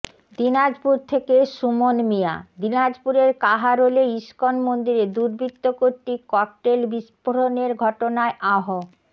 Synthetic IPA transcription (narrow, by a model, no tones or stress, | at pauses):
d̪inad͡ʑpuɾt̪ʰekeʃumonmija̰d̪inad͡ʑpuɾeɾkaɦaɾoleiʃkonmond̪iɾed̪uɾbʱit̪ːokoɾʈːikɔk̚ʈelbiʃpoɾoneɾɡʱɔʈonaeʔaɦo